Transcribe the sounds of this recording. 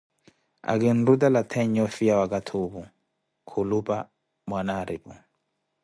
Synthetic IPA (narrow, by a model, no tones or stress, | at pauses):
a̰ɡin̩ɾudalatʰɛɲɔfijawaɡatʰubu | kʰulupa | mwanaɾiʔu